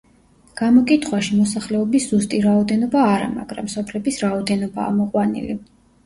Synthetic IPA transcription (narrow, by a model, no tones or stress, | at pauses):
ɡ̥amɔkʼit̪ʰχwaʃimɔsaχlɛɔbisz̥ust̪ʼiɾaɔd̪ɛnɔbaːɾa̰ma̰ɡ̥ɾa̰msɔpʰlɛbisɾaɔd̪ɛnɔba̰ːmɔqʼwanḭli